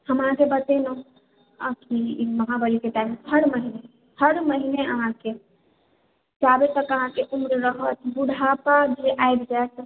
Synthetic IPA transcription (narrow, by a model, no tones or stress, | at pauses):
həmãkebət̪eno | əkiməɦabəɾikeʈ̪ametʰəɽməɦine | hʰəɽməɦineəɦãke | d͡ʒabet̪əkəɦãkeʔumɾɾəɦət̪ʰbuɽʱapad͡ʒeʔajbd͡ʒaet̪ʰ